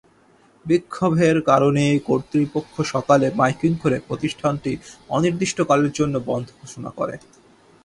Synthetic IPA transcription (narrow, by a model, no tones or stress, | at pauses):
bikʰːobʱeɾkaɾonejkoɾt̪ɾipokʰːoʃɔkalemajkiŋkʰoɾepɾot̪iʃʈʰanʈiɔniɾd̪iʃʈokaleɾd͡ʑonːobɔnd̪ʱokʰoʃona̰ko̰ɾḛ